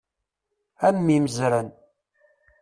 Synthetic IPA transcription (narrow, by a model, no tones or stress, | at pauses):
ænmiməzɾən